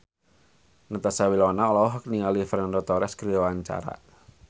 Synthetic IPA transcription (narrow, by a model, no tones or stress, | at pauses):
nət̪asawilɔnaɔlɔwɔɦɔk̚niŋalifɾɛndɔt̪ɔɾɛskɾiwaɲt͡ʃa̰ɾa̰